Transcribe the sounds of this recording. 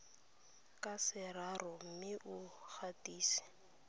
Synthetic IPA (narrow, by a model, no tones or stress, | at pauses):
kʼasɪrarɔm̩mɪʔʊk͡xʰatʼiːsi̥